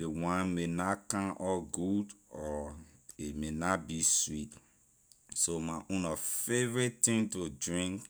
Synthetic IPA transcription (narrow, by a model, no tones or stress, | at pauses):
ewãnmenakãʔɔɡudɔ | emenabiswit | somaʔũnɔfevɹittĩŋtodɹĩŋk